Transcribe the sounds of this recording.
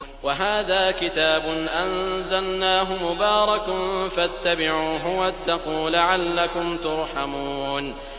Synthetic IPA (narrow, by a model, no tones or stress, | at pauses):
waɦaːðaːkɪt̪aːbʊnʔanzalnaːɦʊmʊbaːɾˤɑknfat̪ːabɪʕuːɦʊwat̪ːaquːlaʕalːakʊmt̪ʊɾˤħamuuːn